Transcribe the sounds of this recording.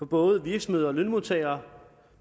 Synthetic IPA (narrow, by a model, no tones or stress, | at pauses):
ɒ̽b̥ɔ̽ːð̞̩ˠəʋiɐɡ̥sm̩ðˠɒlønmo̝t͡sʰɛɪɐ